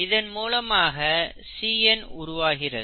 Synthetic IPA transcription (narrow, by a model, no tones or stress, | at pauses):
ɪðɐnmuːlɐmaːɣɐ | siːɛnʊɾʊʋaːɣɪrɐ̰